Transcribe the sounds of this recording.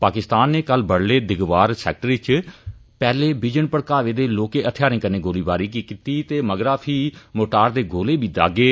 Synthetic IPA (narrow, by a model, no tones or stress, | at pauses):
paːkɪst̪aːnːeːkəlbəɽleːd̪ɪɡʋaːɾsɛ̰ːk̚ʈəɾʋɪt͡ʃ | pɛːleːbɪd͡ʒənpəɽkaːʋeːd̪eːloːkeːʔət̪ʰɪjaːɾĩːkəneːɡoːliːbaːɾiːkiːkit̪iːt̪eːməɡɾaːpʰiːmoːʈaːɾd̪eːɡoːleːbʱiːd̪a̰ːɡeː